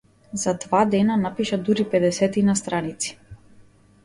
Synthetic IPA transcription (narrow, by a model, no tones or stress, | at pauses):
zad̪vad̪ɛnanapiʃad̪uɾipɛd̪ɛsɛt̪inast̪ɾanit̪si̥